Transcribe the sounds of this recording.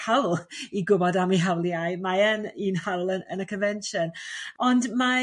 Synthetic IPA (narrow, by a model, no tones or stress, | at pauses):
hawlˠiɡʊbɔdamiɦawlˠjajmaɛninhawlˠənənəkʰənvɛnʃənɔndma